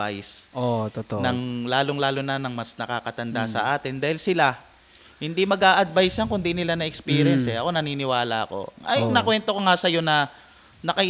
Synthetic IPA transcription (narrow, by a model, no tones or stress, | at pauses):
a̰jsot̪ot̪onɐŋlaːlo̞ŋlaːlonɐnɐŋmɐsnɐkakɐt̪ɐnd̪asɐ̰ʔaːt̪ɪnd̪aːhɪlsɪla | hɪnd̪imɐɡaːʔɐd̪̚bajsjaŋkʊnd̪inɪlanɐʔɛkspiːɾɛnsɛʔɐko̞nɐniːnɪwaːlɐ̰ɐ̰ko̞̰ɐjnɐkwɛnt̪o̞ko̞ŋasɐjo̞nɐ | nɐkɐ